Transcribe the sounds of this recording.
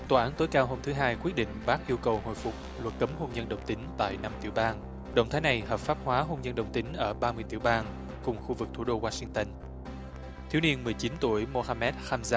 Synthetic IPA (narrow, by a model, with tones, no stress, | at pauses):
t̪waː˨˩ʔaː˨˦nt̪o˨˦jkaː˧wɦo˧mt̪ʰɨ˨˦ɦaː˧jkwi˦˥t̚ɗḭ̈˧˨ŋ̟ɓaː˦˥k̚ʔi˧əwkə˨˩who̰˧˨jfʊ˨˩k͡p̚lwə˨˩t̚kə˨˦mɦo˧ŋ͡mzə˧nɗə̰˨˩wŋ͡mt̪ï˨˦ŋ̟t̪a̰ː˧˨jna˧mt̪i˧˩əwɓaː˧n | ɗə̰˧˨wŋ͡mt̪ʰaː˨˦jna˨˩jhəː˨˩p̚faː˦˥p̚hwaː˨˦ɦo˧nzə˧nɗə˨˩wŋ͡mt̪ï˨˦ŋ̟ʔəː˧˩ɓaː˧mɨ˧jt̪i˧˩wɓaː˧n | kʊ˨˩ŋ͡mxu˧vɨ˨˩k̚t̪ʰu˧˩ɗo˧waː˧sï˧ŋt̪ə˧n | t̪ʰi˨˦wni˧ənmɨ˨˩əjt͡ɕi˨˦nt̪u˧˩əjmo˧haː˧mɛ˦˥t̚xaː˧mzaː˧˥